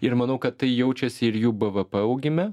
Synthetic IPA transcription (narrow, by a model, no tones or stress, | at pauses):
ɪɾmɐnɐʊkɐt̪t̪ɐɪjɛʊt͡ʃʲɛsʲɪɪɾjuːbɐʋɐpɐɐʊɡʲɪmʲɛ